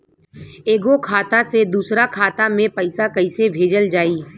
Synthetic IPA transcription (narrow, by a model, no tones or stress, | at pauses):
eːɡokʰaːt̪ased̪uːsɾakʰaːt̪amẽpəɪsakɐɪsebʱeːd͡ʒəld͡ʒaːiː